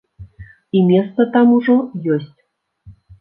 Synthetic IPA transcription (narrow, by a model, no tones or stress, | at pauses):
imʲest̪ət̪ɑmuʐojosʲtʲ